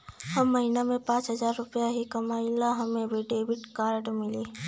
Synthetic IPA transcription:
hɐmːɐɦinamẽpãːt͡ʃɦɐzaːɾːʊpjaɦikɐmaːɪlaɦɐmẽbʱiɖeːbɪʈkaːɾɖmɪliː

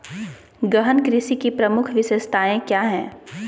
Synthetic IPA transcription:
ɡɐɦənkɾɪsikipɾɐmʊkʰʋɪsest̪aːẽkjaːɦɛ̰̃ː

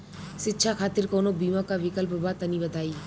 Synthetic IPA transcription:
ʃitːɕʰakʰat̪iɾkonobimakabikəlpobat̪ənibəd̪ʱaj

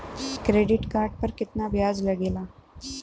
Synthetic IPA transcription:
kɾeɖiʈkaɾɖ̚pəɾkit̪nabjad͡zləɡela

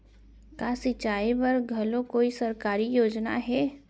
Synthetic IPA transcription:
kaːsɪt͡ʃaːibɐɾɡʱɐlõkoːisɐɾkaːɾijoːd͡ʒna̰ɦɛː

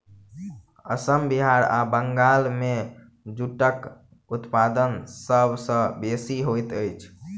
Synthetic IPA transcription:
ə̰səmbiɦaɾa̰bəŋɡalme | d͡ʒuʈək | ut̪pad̪ənsəbʱsə̃besiɦojt̪əjt͡ʃʰ

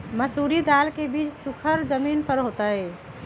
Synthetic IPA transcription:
məsuɾid̪alkebit͡ʃsukʰəɾd͡ʒəminpəɾɦot̪əɪ

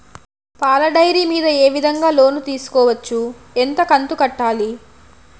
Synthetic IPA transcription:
paːlɐɖɐjɾiːmiːd̪ɐeːʋid̪ʱɐŋɡaːlo̞ːnut̪iːsu̥kɔːʋɐt͡ʃːu | ent̪ɐkɐnt̪ukɐʈːaːli

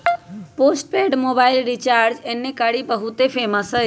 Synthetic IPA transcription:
poːsʈ̚peːɖmoːbaːɪlɾit͡ʃaːɾɾd͡ʒeːnːekaɽibəɦʊt̪epʰeːməsə

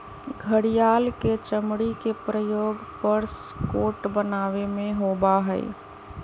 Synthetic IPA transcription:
ɡʱəɾijaːlket͡ʃəmɽikepɾəjoːɡpəɾs | koːʈbənaːʋemẽɦobaɦəɪ̰

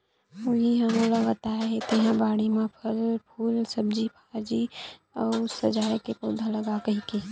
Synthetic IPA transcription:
oɦiɦɐmõləɡət̪aːɦet̪eɦãbaːɽimãpʰɐlpʰuːlsəb̚d͡ʒipʰaːɾd͡ʒi | ɔːsɐd͡ʒaːekepoːd̪ʱalɐɡakɐɦike

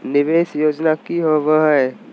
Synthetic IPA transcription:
nɪʋeːʃjoːd͡ʒnakiɦoʋəɦə

